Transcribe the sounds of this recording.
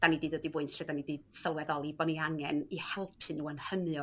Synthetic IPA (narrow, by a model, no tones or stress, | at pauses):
d̥anidɨːdwədivʊɨntʰɬɛdanidɨːd̥səlˠwɛðɔlˠibɔniaŋɛnihɛlˠpʰɨnuːənhənjɔ